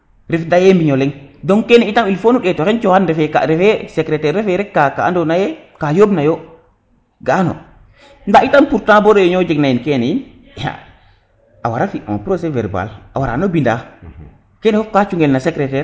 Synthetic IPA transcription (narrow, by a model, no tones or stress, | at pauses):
ɾɛfdajembiɲɔlɛŋdɔŋkɛnɛitamilfonuɗɛtɔkɛnt͡ʃɔhandɛfɛka̰ɾɛfɛsɛkɾɛtɛɾɛfɛɾɛkːakaa̰ndɔnajɛkajobnajɔ | ɡanɔ̰ | ndaitampuɾtãbɔɾɔɛɲɔd͡ʒɛɡnajinkɛnɛjin | ja̰ | ʔawaɾafiʔɔ̰npɾosɛvɛ̰ɾba̰lʔa̰waɾa̰nɔbinda̰ | kɛnɛɔkat͡ʃuŋɡɛlnasɛkɾɛtɛɾ